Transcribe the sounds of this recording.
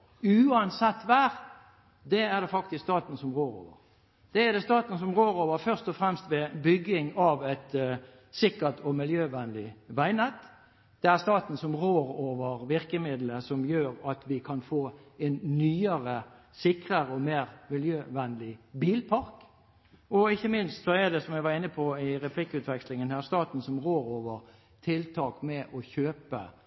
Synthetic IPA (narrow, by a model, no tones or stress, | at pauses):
ʉːɑnsɛt̪ːʋæːʁ | d̪ɛæʁd̪ɛfɑkt̪ɪsst̪ɑːt̪n̩sɔmʁoːɾo̰ːʋə̰ʁɾ | d̪̥ɛæʁd̪ɛst̪ɑːt̪n̩sɔmʁoːɾoːʋəɾfœʁst̪ɔfɾɛmst̪ʋɛbʏɡɪŋɑʋɛt̪ | sɪkət̪ʰɔmɪljøːʋɛnlɪʋæɪnɛt̪ː | d̪̥ɛæʁst̪ɑːt̪n̩sɔmʁoːɾoːʋəʁʋɪʁkəmɪd̪ləsɔmjøːɾɑt̪ʰʋɪkʰɑnfoːɛnnyːəɾə | sɪkʁəʁəɔmeːʁmɪljøːʋɛnlɪbiːlpʰɑɾk | ɔɪçːəmɪnst̪sɔæd̪ɛsɔmjɛʋɑʁɪnːəpʰɔɪʁɛpʰlɪkːʉːt̪ʋɛkslɪŋənhæːʁst̪ɑːt̪n̩sɔmʁoːɾoːʋəʁ | t̪ʰɪlt̪ʰɑːkmɛʔɔçøːpə̰